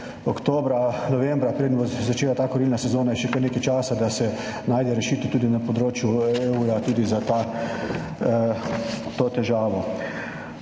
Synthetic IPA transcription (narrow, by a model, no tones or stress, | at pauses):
ɔkt̪oːbɾanɔʋɛmbɾapɾeːd̪nbɔzat͡ʃeːlat̪aːkɔɾilnasɛzoːnajɛʃɛkoɾneːkɛjt͡ʃaːsad̪asɛ | naːjd̪ɛɾɛʃiːt̪ɛt̪uːd̪inapɔd̪ɾoːt͡ʃjueuɾat̪uːd̪izat̪aː | t̪oːt̪ɛʒaːʋɔ